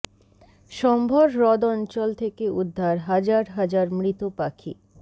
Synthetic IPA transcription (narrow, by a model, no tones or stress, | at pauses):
ʃɔmbʱoɾɾɔd̪ɔnt͡ɕɔlt̪ʰekeud̪ʱːaɾɦad͡ʑaɾɦad͡ʑaɾmɾit̪opakʰḭ